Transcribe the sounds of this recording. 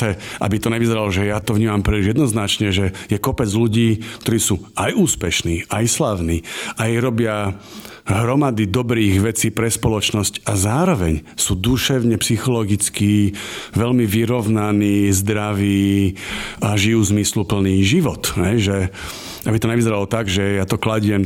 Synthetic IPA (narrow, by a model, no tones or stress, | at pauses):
ɛʔa̰bit̪ɔɲɛʋizɛɾalɔʒɛjat̪ɔʋɲiːmampɾiːliʒjɛd̪nɔznat͡ʃɲɛʒɛjɛkɔpɛd͡zluɟiːkt̪ɔɾiːsuːajuːspɛʃniːajslaʊniːʔajɾɔbɪa | ɦɾɔmad̪id̪ɔbɾiːɣʋɛt͡siːpɾɛspɔlɔt͡ʃnɔscazaːɾɔʋɛɲsuːd̪uʃɛʋʊɲɛpsixɔlɔɡit͡skiːʋɛlmiʋiɾɔʋnaniːzd̪ɾaʋiː | aʒijuːzmislupl̩niːʒiʋɔt̪ɦɛjʒɛ | abit̪ɔɲɛʋizɛɾalɔt̪aɡʒɛjat̪ɔklaɟɪɛm